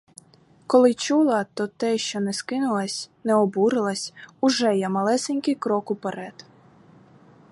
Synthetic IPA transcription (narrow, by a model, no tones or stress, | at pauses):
kɔlˠɪt͡ʃulˠɐt̪ɔt̪ɛʃt͡ʃɔnɛskɪnʊlˠɐsʲnɛɔbuɾɪlˠɐsʲʊʒɛjɛmɐlˠɛsenʲkɪjkɾɔkʊpeɾɛt̪